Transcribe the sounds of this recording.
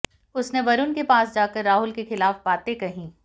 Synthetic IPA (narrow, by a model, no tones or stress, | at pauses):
ʊsneʋɐɾʊnkepaːsd͡ʒaːkəɾːaːɦʊlkexɪlaːfbaːt̪ẽkɐɦĩː